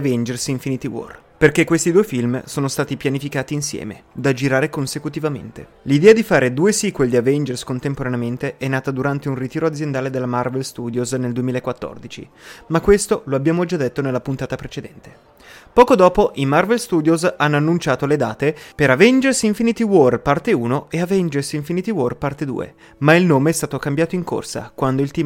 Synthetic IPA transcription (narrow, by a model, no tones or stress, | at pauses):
avɛnd͡ʒersiɱfinit̪iwɔ̰r | perkekːwest̪id̪uːefilmsoːnost̪aːt̪ipjanifikaːt̪iːnsjɛ̰ːmḛd̪ad͡ʒiɾaːɾekonsekut̪ivamḛnt̪ḛ | lid̪ɛːad̪ifaːɾed̪uːesiːkweld̪iavɛnd͡ʒerskont̪empoɾaneament̪eʔɛnːaːt̪ad̪uɾant̪eunrit̪iːɾoad̪zjend̪aːled̪elːamarvelst̪uːd̪jozneld̪uemiːlaekwat̪ːo̰rd̪it͡ʃḭmakːwest̪oloabːjaːmod͡ʒad̪et̪ːonelːapunt̪aːt̪apɾet͡ʃed̪ɛnt̪e̥ | pɔːkod̪ɔːpoʔimarvelst̪uːd̪jozanːoanːunt͡ʃaːt̪oled̪a̰ːt̪epeɾavɛnd͡ʒersiɱfinit̪iworpart̪euːnoeavɛnd͡ʒersiɱfinit̪iworpart̪ed̪ṵːḛ | mailnoːmeɛst̪aːt̪okambjaːt̪oiŋko̰rsa̰kwand̪oilt̪iː